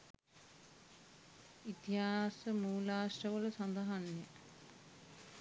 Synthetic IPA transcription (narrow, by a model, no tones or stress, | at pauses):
it̪iɦaːsəmuːlaːsʈəʋələsand̪ɐɦanjə